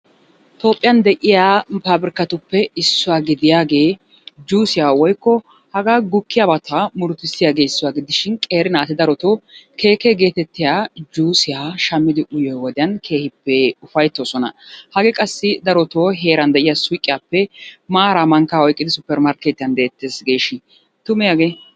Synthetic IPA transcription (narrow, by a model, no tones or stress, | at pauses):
t̪o̞ːpʼːɪjɐnd̪ɛʔɪjaːpaːbɪɾɪkːɐt̪ʊpːɛɪsːʊwaːɡɪd̪ɪjaːɡe̞ː | d͡ʒuːsɪjaːwɔjkːɔ | hɐɡaːɡʊkːɪjabɐt̪ʰɐmʊɾt̪ːɪsːɪjaːɡe̞ːɪsːʊwaːɡɪd̪ɪʃɪnkʼe̞ːɾɪnaːt̪ɪd̪ɐɾɔt̪oːkʰe̞ːkɛɡe̞ːt̪ɛt̪ːɪjaːd͡ʒuːsɪjaːʃɐmːɪd̪ɪʔʊjɔjwɔd̪ɪjɐnkʰe̞ːhɪpːɛʊfɐjt̪ːoːsɔnɐ̰hɐɡɛkʼɐsːɪd̪ɐɾɔt̪oːɦe̞ːɾɐnd̪ɛʔɪjasʊjkʼːɪjaːpːɛmaːɾamɐŋkːaɔjkʼːɪd̪ɪsʊpːɛɾmaːɾket̪ːɪjɐnd̪eːt̪ːeːsɡe̞ːʃɪ | t̪ʊmɪjaːɡeː